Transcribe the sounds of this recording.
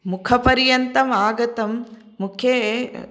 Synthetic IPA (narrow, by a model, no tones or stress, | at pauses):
mukʰɐpɐɾjɐnt̪ɐmaːɡɐt̪ɐmː | ukʰjeː